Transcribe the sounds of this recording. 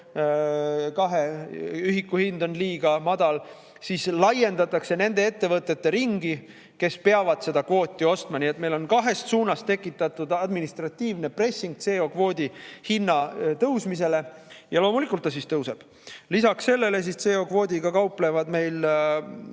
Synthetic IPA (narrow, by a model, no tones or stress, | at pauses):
kɑɦeyɦikːuhind̪o̞nliːɡ̥ɑmɑd̪̥ɑl | sislɑje̞nd̪̥ɑt̪ːˑɑkse̞ne̞nd̪̥e̞et̪ːe̞vɤt̪ˑːe̞t̪ːe̞ɾiŋɡi | ke̞speɑvɑd̪̥se̞d̪̥ɑkvo̞ːt̪ʲˑːio̞st̪mɑniet̪me̞jlo̞nkɑɦe̞st̪suːnɑst̪e̞kːˑit̪ːˑɑt̪ːud̪ɑd̪minist̪rɑt̪ːˑiːvnepre̞sːiŋɡ̥̚t̪se̞ːo̞kvo̞ːd̪ʲihinːɑt̪ɤwsmis̬e̞le̞jɑloːmulikːˑult̪ːɑs̬ist̪ɤwse̞b̥ | lisɑksse̞lːe̞le̞s̬ist̪se̞ːo̞kvo̞ːd̪ʲiɡɑkɑwple̞vɑd̪me̞jl